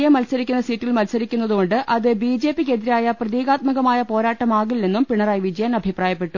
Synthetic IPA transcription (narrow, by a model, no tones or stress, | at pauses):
jɐmːɐlsɐɾikʲːunːɐsiːtːilmɐlsɐɾikʲːunːɐðuɣo̞ɳɖɨʔɐðɨbiːd͡ʑe̞ːpːikːed̪iɾaːjɐprɐðiːɣaːt̪̚mɐɣɐmaːjɐpo̞ːɾaːʈːɐmaːɣilne̞nːumpiɳɐraːjʋid͡ʑɐjanɐbʱipraːjɐpːe̞ʈːu